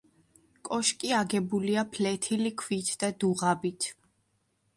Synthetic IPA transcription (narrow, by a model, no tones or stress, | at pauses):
kʼɔʃkʼiaɡɛbuliapʰlɛt̪ʰilikʰvit̪ʰd̪̥ad̪uʁabit̪ʰ